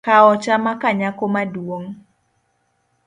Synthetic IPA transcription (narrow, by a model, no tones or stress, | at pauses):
kaɔt͡ʃamakaɲakomadwoŋ